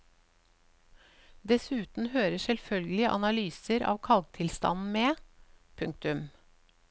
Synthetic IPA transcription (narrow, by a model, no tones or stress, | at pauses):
d̪ɛsʉːt̪n̩høːɾəsɛlfœlɡəlɪʔɑ̰nɑlyːsəɾʔɑ̰ːʋkʰɑlɡ̚t̪ʰɪlst̪ɑ̰nn̩meːpʰʉŋk̚t̪ʉm